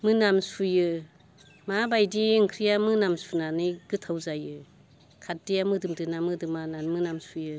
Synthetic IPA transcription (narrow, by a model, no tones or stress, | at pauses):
mɯnamsujɯ | mabajdiɯŋkʰɾijamɯnamsunanɯjɡɯtʰawzajɯ | kʰat̚dijamɯdɯmdɯnamɯdɯmananmɯnamsujɯ